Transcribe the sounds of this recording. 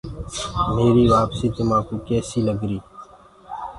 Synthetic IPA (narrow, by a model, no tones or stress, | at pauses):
meːɾiːʋaːpsiːt̪ʊmãːkoːkɛːsiːləɡɾiː